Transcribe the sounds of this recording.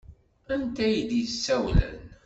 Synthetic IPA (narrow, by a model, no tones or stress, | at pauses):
ænt̪æjəd̪isːæwlə̰n